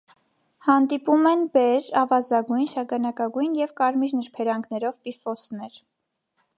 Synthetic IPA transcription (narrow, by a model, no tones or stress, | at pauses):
hɑnd̪ipumɛnbɛɾɑvɑzɑɡujnʃɑɡɑnɑkɑɡujnjɛvkɑɾmiɾnəɾpʰɛɾɑŋɡnɛɾɔvpifɔsnɛɾ